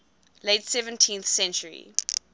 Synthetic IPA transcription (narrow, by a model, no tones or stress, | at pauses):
letsɛvə̃ntʰĩnθsɛ̃nt͡ʃəɹḭ